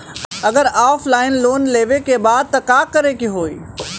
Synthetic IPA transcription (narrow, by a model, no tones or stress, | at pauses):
ɐɡəɾaːfʰlaːɪnloːnleːʋekebaːd̪̚t̪ɐkaːkəɾekiɦoːiː